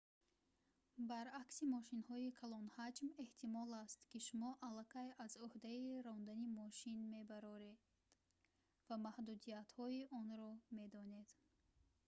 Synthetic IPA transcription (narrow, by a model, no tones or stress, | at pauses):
baɾaksimɔʃinhɔikʰalɔnhad͡ʒme̞ht̪ʰimɔlast̪kiʃumɔʔalːakʰajazuhd̪aiɾɔnd̪animɔʃinme̞baɾɔɾe | d̪̥ | vamahd̪ud̪ijat̪hɔiʔɔnɾɔme̞d̪ɔne̞d̪̥